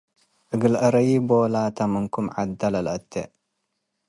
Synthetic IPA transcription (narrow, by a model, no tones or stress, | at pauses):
ʔɨɡɨlʔɐɾɐjibolat̪ʰɐmɨŋkumʕa̰d̪ɐlɐlʔɐt̪ʰːḛʔ